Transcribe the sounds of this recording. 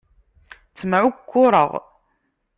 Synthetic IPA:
t͡sːəmʕʊkʷʰːʊɾˤə̰ʁ

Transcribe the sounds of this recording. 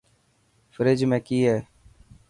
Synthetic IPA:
fəɾed͡ʒmẽːkiːɦɛː

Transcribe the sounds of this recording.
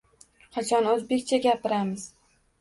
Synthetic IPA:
qʰɑt͡ʃʰɒnɵzbe̞kʲt͡ʃʰaɡʲapʰɪɾamɪz̥

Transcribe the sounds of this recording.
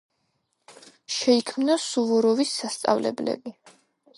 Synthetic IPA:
ʃɛikʰmnasuvɔɾɔvisːast̪sʼa̰vlɛ̰blɛ̰bi

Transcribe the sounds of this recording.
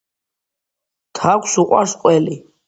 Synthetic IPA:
t̪ʰakʷʰsuqʼwa̰ɾsqʼwɛli

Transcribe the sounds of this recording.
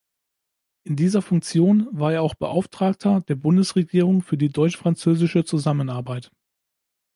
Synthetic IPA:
ʔɪndiːzɐfʊŋk̚t͡sjoːnvaːɐeːɐaʊxb̥əʔaʊftʁ̥aːk̚tʰɐdeːɐbʊndəsʁeɡiːʁ̞ʊŋfyːɐdiːdɔʏt͡ʃfʁ̥ant͡søːzɪʃət͡suzamənaɐbaɪt

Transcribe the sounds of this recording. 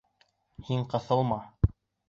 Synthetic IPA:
hiɴqɤ̆θɤ̆lˠmɑ

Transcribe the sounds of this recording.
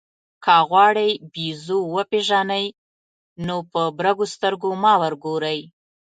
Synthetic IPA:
kɑɣwɑɽəjbizowəpeʒɑnaj | nopəbɾaɡost̪əɾɡomɑwəɾɡoɾəj

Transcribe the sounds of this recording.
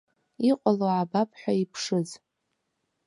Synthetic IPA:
iqʷʼaloʕabapʰʼħʷᶣaipʰʂɨz

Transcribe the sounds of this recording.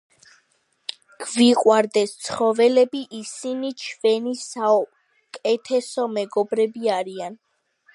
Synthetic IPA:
ɡ̥viqʼwaɾd̪ɛst̪sʰχɔvɛlɛbiʔisinit͡ʃʰvɛnisa | kʼɛt̪ʰɛsɔmɛɡɔbɾɛbiaɾian

